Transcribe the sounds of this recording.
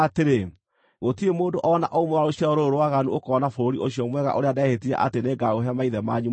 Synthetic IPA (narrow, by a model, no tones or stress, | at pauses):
ateɾe | ɣotiemoːdoʔɔna̰ʔoumoaɾoɕjaoɾoɾowaɣanuokɔnafoɾoɾiʔoɕjɔmwɛɣa̰ʔoɾeadɛhetiɾɛ̰ʔa̰teneɡaoɦɛmaiðɛmaɲu